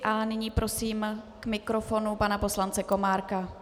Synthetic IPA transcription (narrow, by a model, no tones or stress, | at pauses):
ʔanɪɲiːpɾʔo̞siːm | kmɪkɾofo̞nupanapo̞slant͡sɛko̞maːɾka